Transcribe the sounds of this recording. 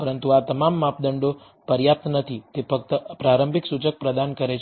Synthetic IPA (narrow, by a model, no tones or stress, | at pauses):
pəɾənt̪uat̪əmamːapd̪əɳɖo | pəɾjap̚t̪nət̪ʰit̪epək̚t̪əpɾaɾəmbʱiksut͡ʃək̚pɾəd̪ankəɾet͡ʃʰ